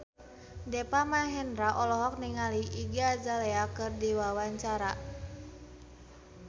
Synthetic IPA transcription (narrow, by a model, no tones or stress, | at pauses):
dɛpamaɦɛndɾaʔɔlɔɦɔk̚niŋaliʔiɡiad͡ʒaleakɨrdiwawaɲt͡ʃaɾa